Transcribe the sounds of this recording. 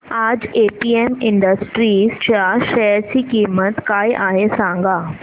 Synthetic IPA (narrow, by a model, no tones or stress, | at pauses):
ad͡ʑepiːemɪɳɖəsʈɾiːzt͡ɕaʃɛɾt͡ɕikimət̪kaiʔaɦesãŋɡa